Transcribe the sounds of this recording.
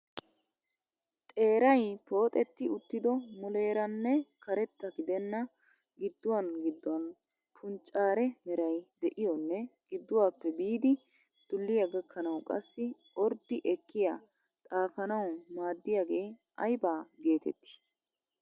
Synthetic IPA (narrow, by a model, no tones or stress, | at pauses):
t̪ʼe̞ːɾɐjpo̞ːt̪ʼɛt̪ːɪʊt̪ːɪd̪ɔmʊle̞ːɾɐnːɛkʰɐɾɛt̪ːɐɡɪd̪ɛnːɐ | ɡɪd̪ːʊwɐnɡɪd̪ːʊwɐn | pʰʊnt͡ʃʼːaːɾɛmɛɾɐjd̪ɛʔɪjɔnːɛɡ̥ɪd̪ːʊwaːpːɛbiːd̪ɪ | d̪̥ʊlːɪjɐɡɐkʰːɐnɐwkʼɐsːɪ | ɔɾd̪ɪʔɛkʰːɪja | t̪ʼaːfɐnɐwmaːd̪ːɪjaːɡe̞ːʔɐ̰jbaːɡe̞ːt̪ʰɛ̰t̪ːɪ̥